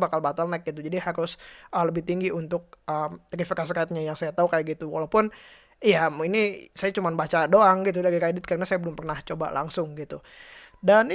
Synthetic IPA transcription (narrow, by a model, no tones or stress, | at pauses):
bakalbat̪alnɛk̚ɡit̪ud͡ʒadihaɾʊsələbɪht̪iŋɡiʔunt̪ʊk̚ʔəmt̪əɾifikas̬ikat̪̚ɲajaŋsajat̪aukajaɡit̪uwa̰laupʊn | ijainisajat͡ʃumanbat͡ʃadoaŋɡit̪̬udaɾiɾedɪt̪̚karənasajabəlʊmpərnaht͡ʃoba̰la̰ŋsʊŋɡit̪u | dan